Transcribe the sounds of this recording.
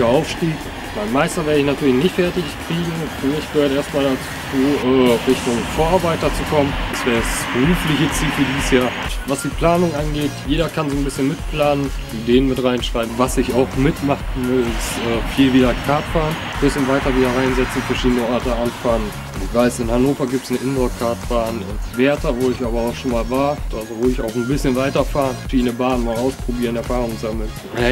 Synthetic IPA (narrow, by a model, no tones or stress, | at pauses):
ɐaʊfʃtiːk | maɪnmaɪstɐvɛːɐəɪçnatʰyːɐlɪçnɪçtfɛɐtɪçkʁ̥iːɡŋ̩fmɪçɡ̥əhøːɐteːɐstmaːldat͡su | uːʔɛːʁɪçtʊŋfoːɐaɐbaɪtdat͡sukʰɔmənd̥asv̥ɛːʁsb̥əʁuːflɪçət͡siːlfyːɐdiːzsjaːɐvasd̥iːpl̥aːnʊŋʔanɡeːtjeːɾɐkʰanzoːnbɪsçənmɪtpl̥aːnən | ideːənmɪtʁaɪnʃʁ̥aɪb̩vasɪçaʊxmɪtmaχmɪlɪstʔɛːfiːlviːdɐkʰaːɐt̚b̥aːʁən | bɪsçənvaɪtɐviːdɐʁaɪnzɛt͡sn̩fɛɐʃiːdənəʔɔɐtəʔanfaːʁən | ɪçv̥aɪsɪnhanoːfɐɡiːp̚tsnəʔɪnzokʰaɐtb̥aːnɪ̰nvɛɐtʰɐvoːɪçʔaːbɐaʊxʃoːnmaːlvaːɐd̥atvoːɪça̰ʊxn̩bɪsçənvaɪtɐfaːʁənʃiːdnəbaːənmaːlaʊspʁ̥obiːɐənɛɐfaːʁʊŋzaml̩n